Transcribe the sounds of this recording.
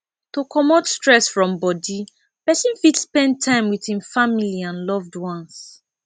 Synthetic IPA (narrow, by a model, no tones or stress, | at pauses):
tokʰɔmɔtstɹɛsfɹɔ̃mbɔdi | pɛsĩnfitspɛ̃n̚tʰːãɪ̃mwitĩnfamiliãnlɔvdwɔ̃ns